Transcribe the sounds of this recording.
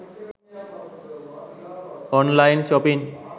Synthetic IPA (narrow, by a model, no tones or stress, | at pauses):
ɔnlajnʃɔpin